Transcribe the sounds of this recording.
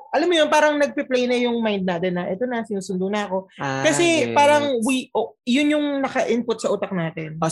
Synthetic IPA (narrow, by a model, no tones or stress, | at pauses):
ʔɐlamːojonpaːɾɐŋnɐɡ̚pɪplɛjnɐjʊŋmajnd̪̚naːt̪ɛnːɐʔɛːt̪onɐsɪnuːsʊnd̪ʊnɐʔɐko̞kɐsɛpaːɾɐŋwiʔojʊnjʊŋnɐkɐʔɪnpʊt̪̚sɐʔuːt̪ɐk̚naːt̪ɛn